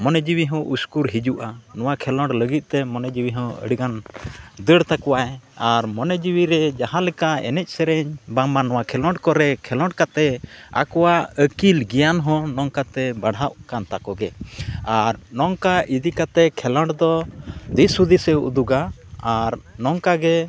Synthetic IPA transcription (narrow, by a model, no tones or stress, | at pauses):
mɔnɛd͡ʒiwiɦɔ̃ʔuskuɾɦid͡ʒuʔanɔwakʰɛlɔɳɖləɡit̪̚ˀt̪ɛmɔnɛd͡ʒiwiɦɔ̃ə̰ɽiɡand̪əɽt̪akɔwaɛaɾmɔnɛd͡ʒiwiɾɛd͡ʒaɦãlɛkaɛ̰nɛc̚ˀsɛɾɛɲbamanɔwakʰɛlɔ̃ɳɖkɔɾɛkʰɛlɔ̃ɳɖkat̪ɛa̰kɔwaəkilɡijanɦɔ̃nɔŋkat̪ɛbaɽɦaʔkant̪akɔɡɛaɾnɔŋkaʔid̪ikat̪ɛkʰɛlɔɳɖd̪ɔd̪isud̪isɛṵd̪uɡaː | ɾnɔŋkaɡɛ